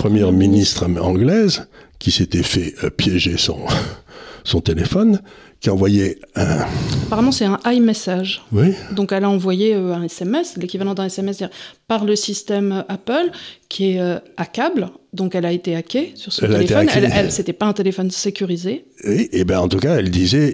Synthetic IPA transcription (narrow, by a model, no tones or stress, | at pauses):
pχəmjɛʁminist̪χɑ̰̃ɡlɛzkʲiset̪ɛfɛøpjɛʒesɔ̰̃ | sɔ̃t̪elefɔn | kʲiɑ̃vwajɛɛ̃apaʁamɑ̃sɛt̪ɛ̃ʔajmesaʒwid̪ɔ̃kɛlaɑ̃vwajeøɛ̃ɛsɛmɛslekʲivalɑ̃d̪ɛ̃ɛsɛmɛsiʁpaʁləsist̪ɛmøʔapœlkʲʰiɛøakʲabld̪ɔ̃kɛlaet̪eakʲesyʁsɔɛlt̪eelet̪efɔnlɛlset̪ɛpaɛ̃t̪elefɔnsekʲyʁize | wiʔebɛɑ̃t̪ukaɛld̪izɛ